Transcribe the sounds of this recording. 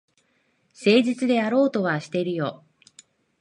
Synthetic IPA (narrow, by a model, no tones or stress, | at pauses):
se̞ːʑit͡sɨd̪e̞jaɾo̞ːt̪o̞βaɕi̥t̪e̞ɾɯ̟jo̞ː